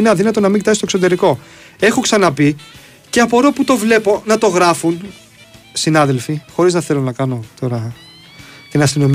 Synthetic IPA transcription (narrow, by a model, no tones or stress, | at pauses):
neɐðinɐt̪o̞nɐmiɲɟit̪ɐsist̪ksot̪e̞ɾiko̞ | e̞xo̞ksɐnɐpi | ce̞ɐpoɾoput̪o̞vle̞po̞nɐt̪o̞ɣɾɐfun | sinɐðe̞lfixo̞ɾiznɐθe̞lo̞nɐkɐno̞t̪o̞ɾɐ | t̪enɐst̪ino̞m